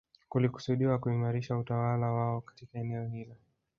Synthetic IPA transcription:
kuliku̥suɗiwakuimaɾiʃautawalawaɔkḁtikaɛnɛɔhilɔ

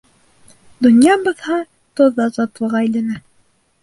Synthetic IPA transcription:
d̪ŏnjɑbɤ̆ðhɑ | t̪ŏðːɑzɑt̪ɤ̆lˠʁɑĕjlɘ̆næ

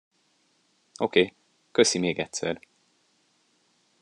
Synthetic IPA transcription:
o̞keː | kø̞simeːɡɛtʲsɛ̰r

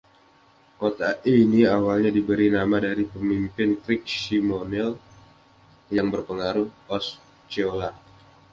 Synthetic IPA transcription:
kot̪aʔiniawalɲadibəɾinamadaɾipəmimpɪntɾɪk̚simonɛl | jaŋbərpəŋaɾʊhɔs | t͡ʃiola

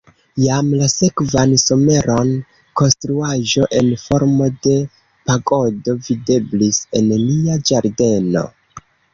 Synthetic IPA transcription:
jamlase̞kvanso̞me̞ɾo̞n | ko̞nstɾuaʒo̞ʔe̞nfo̞ɾmo̞de̞ | paɡo̞do̞vide̞blise̞nliad͡ʒaɾde̞no̞̰

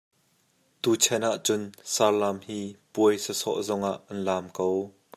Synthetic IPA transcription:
t̪uːt͡sʰɛnaʔt͡sʊnsaːrlamhiːpuəjsəsɔ̰ʔzɔŋʔaʔːɐnlaːmkow

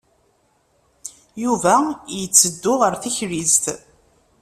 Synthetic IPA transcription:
juvæjət͡sːəd̪ːʊʁəɾθiçɾizt̪

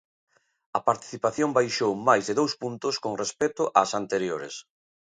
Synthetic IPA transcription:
ɐpaɾt̪i̥θipaθjombajʃowmajzðeðowspunt̪ʊskoŋrespɛt̪ʊʔasant̪eɾjoɾḛs

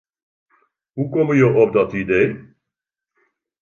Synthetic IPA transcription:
ɦukɔməjəʔɔp̚dɑtidej

